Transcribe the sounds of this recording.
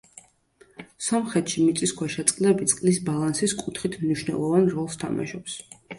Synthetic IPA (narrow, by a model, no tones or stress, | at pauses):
sɔmχɾɛt̪ʃimit̪sʼiskwɛʃɛt̪sʼqʼlɛbit̪sʼqʼlisbalˠansiskʼut̪ʰχit̪ʰmniʃnɛ̰lˠɔvanɾɔlˠst̪ʰa̰ma̰ʃɔps